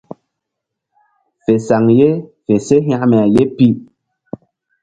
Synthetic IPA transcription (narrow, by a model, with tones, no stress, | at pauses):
fe˨sa˨ŋje˦fe˨se˦ɦja˦mɛ˨a˨je˦pi˦